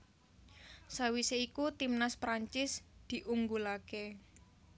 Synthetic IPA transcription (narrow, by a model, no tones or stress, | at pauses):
sawiseikut̪imnaspɾaɲt͡ʃɪsd̪̥i̤ʔuŋɡulake